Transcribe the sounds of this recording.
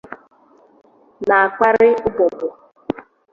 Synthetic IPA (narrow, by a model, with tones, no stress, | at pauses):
na˨a˨ka˦ɾɪ˦ʊ˦bɔ˨bʊ˨